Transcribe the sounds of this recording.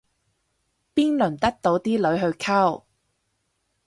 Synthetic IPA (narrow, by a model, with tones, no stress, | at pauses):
piː˥nlɵ˨˩nt̪ɐ˥k̚t̪o˨˥wt̪iː˥lɵ˨˥ɥɦɵ˧ɥkʰɐ˥˩w